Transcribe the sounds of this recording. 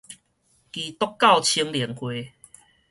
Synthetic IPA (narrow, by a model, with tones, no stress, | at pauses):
ki˨˩t̪ɔ˦kːa˥˨wt͡ɕʰi˧əŋljɛ˨˩əŋkwe˧